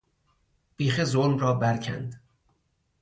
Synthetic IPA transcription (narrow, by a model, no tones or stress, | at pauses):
b̥iːxezolmrɒːbæɾcʰæ̰nd̪